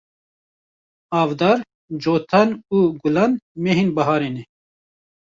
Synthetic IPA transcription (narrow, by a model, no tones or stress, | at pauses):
ɑːvd̪ɑːɾ | d͡ʒoːt̪ʰɑnuːɡʊlɑːnmeɦinbɐɦɑːɾeːnɛ